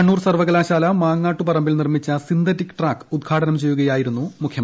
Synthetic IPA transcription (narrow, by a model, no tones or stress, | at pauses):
ɐɳːuːrsɐrʋɐɣɐlaːɕaːlɐmaːŋːaːʈːupɐrɐmbilnirmit͡ɕːɐsind̪ɐtːikːʈraːkud̪̚ɡʰaːʈʰɐnɐmt͡ɕe̞jːuɣɐjaːjiɾunːumukʰjɐ